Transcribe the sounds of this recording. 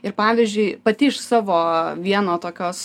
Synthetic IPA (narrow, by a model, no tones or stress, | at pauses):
ɪɾpɑːʋʲizʲd͡ʒʲʊɪpɐt̪ʲɪɪʃsɑːʋoːʋʲiɛnoːt̪oːkʲoːs